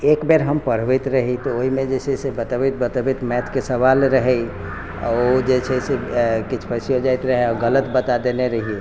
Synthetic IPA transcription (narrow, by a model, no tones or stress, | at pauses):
ekbeɾɦəmpəɽ̤ʋəjt̪ɾəɦit̪ɔoɦimẽd͡ʒesʰɛsebət̪əbit̪̚bət̪əbit̪mɛt̪ʰkesəβalɾəɦɛj | a̰od͡ʒet͡ʃʰɛsekit͡ʃʰpʰəsijod͡ʒajt̪ɾəɦɛɔɡələt̪bət̪ad̪eneɾəɦie